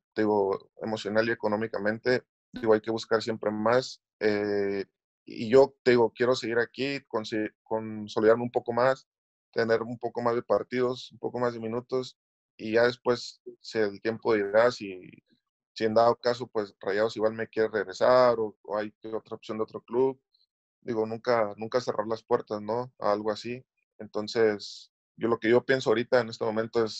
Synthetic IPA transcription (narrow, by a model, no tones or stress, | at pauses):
d̪eiɣo̞ḛmo̞sjo̞nalie̞ko̞no̞mikamẽnt̪e̞ | d̪iɣoajke̞βuskaɾsje̞mpɾe̞mas | e | iʝo̞t̪eðiɣo̞kje̞ɾo̞seɣiɾakikonsekonso̞liðaɾmeumpo̞ko̞mas | t̪ene̞ɾumpo̞ko̞mazðe̞paɾt̪iðo̞sumpo̞̰ko̞mazðe̞mĩnut̪o̞s | iʝað̞e̞spwe̞sːeeðt̪jempo̞ð̞eiðeɾasi | sie̞nd̪aðokas̬o̞pwe̞srajaðosiɣwalme̞kjeɾereɣɾe̞saɾo̞̰ːajkeot̪ɾaopsjo̞nd̪eot̪ɾo̞kluβ | d̪iɣo̞nũŋkanũŋkase̞rʔa̰ɾlaspwe̞ɾt̪asno̞a̰alɣoasi | ent̪o̞nse̞s | ɟ͡ʝolo̞ke̞ʝo̞pje̞nsoaoɾit̪aene̞st̪emoment̪o̞e̞s